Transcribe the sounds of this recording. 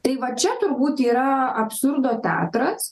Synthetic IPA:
t̪ɐɪʋɐt͡ʃʲɛt̪ʊrbuːt̪iːɾɐɐpsurd̪oːt̪ʲæ̰ːt̪ɾɐs

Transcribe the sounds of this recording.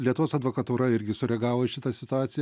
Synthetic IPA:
lʲiɛt̪ʊʋoːsɐd̪ʋoːkɐt̪uːɾɐɪɾʲɡʲɪsʊɾʲɛɡɑːʋoːɪʃʲɪt̪ɐsʲɪt̪ʊɑːt̪sʲɪj

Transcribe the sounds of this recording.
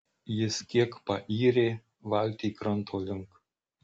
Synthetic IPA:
jɪskʲiːkpɑʔiːɾʲeː | ʋalʲt̪ʲikɾɐnt̪ʰolʲɪŋk

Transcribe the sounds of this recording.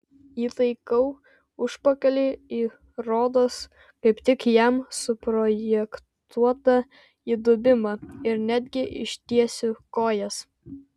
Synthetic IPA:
iːt̪ɐɪkɐʊ | ʊʃpɐkɐlʲeːiː | ɾoːd̪oːs | kɐɪpt̪ʲɪkjɛmsʊpɾɔjɛk | t̪ʰuɔt̪ɐ | iːd̪ʊbʲɪmɐɪɾnʲæd̪ʲɡʲɪʔɪ̰ʃʲt̪ʲiɛsʲʊkoːjɛs

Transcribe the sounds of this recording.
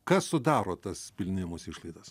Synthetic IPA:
kɐssʊd̪ɑːɾoːt̪ɐspʲɪlʲnʲɪmʊsɪʃlˠɐɪd̪ɐs

